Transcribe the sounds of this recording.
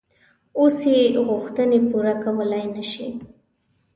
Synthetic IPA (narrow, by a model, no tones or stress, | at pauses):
oseɣʊxt̪ənepuɾakawəlajnaʃi